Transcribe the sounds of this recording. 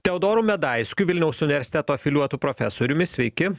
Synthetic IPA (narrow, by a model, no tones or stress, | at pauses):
t̪ʲɛɔd̪oːɾʊmʲɛd̪ɐɪsʲkʲʊjʋɪlʲnʲɛʊsʊnʲɪʋʲɛɾʲsʲɪ̥t̪ʲɛt̪oːɐfʲɪlʲuɔt̪uːpɾɔfʲɛsoːɾʲʊmʲɪsʲʋʲɛɪkʲɪ